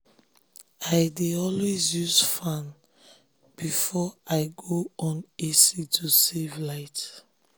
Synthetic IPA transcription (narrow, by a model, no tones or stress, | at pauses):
aɪdeɔlwezjusfãn | b̥ifɔaɪɡoɔ̃nesitʰusevlaɪt